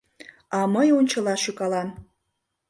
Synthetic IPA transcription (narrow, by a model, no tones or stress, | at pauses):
ɑməjonʲt͡ɕəlɑʃykɑlɑn